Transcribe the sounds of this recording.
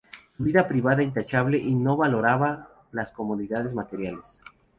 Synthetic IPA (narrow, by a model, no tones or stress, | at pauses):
suβiðapɾiβaðaint̪at͡ʃaβle̞ʔino̞βalo̞ɾaβa | lasko̞moðiðaðe̞zmat̪e̞ɾjales